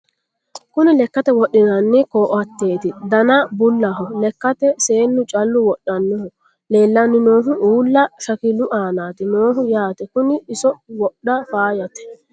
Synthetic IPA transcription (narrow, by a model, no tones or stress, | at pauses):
kʊnɪlɛkːɐt̪ɛwɔɗːɪnɐnːɪkoːʔɐt̪ːeːt̪ɪd̪ɐnɐbʊlːɐɦʊlɛkːɐt̪ɛse̞ːnːʊt͡ʃʼɐlːʊwɔɗːɐnːʊhʊ | le̞ːlːɐnːɪnoːɦʊʔuːlːɐʃɐkɪlʊʔaːnaːt̪ɪnoːɦʊjaːt̪ɛkʊnɪɪsɔwɔɗːɐfaːjɐt̪ɛ̥